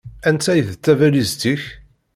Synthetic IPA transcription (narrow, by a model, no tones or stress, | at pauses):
ænt͡sːæjθt͡sːævælizt̪iç